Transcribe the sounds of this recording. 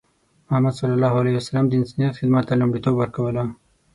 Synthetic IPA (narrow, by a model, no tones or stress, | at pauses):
mʊhamːad̪sɑlːalɑɦalahiwasalamd̪əɪnsɑnijat̪xɪd̪mat̪ːalʊmɖit̪obwəɾkawəla